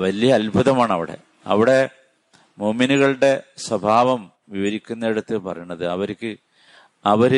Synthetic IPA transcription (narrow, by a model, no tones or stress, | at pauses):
ʋɐlijɐːlbʱɐðɐmaːɳɐʋiɽe̞̰ | ɐ̰ʋiɽe̞ | muːminuɣɐɭɨɽe̞swɐbʱaːʋɐm | ʋiʋɐɾikʲːunːɐeɽut̪ːɨpɐrɐ̰junːɐðɨɐʋɐɾikʲːɨ | ɐʋɐɾ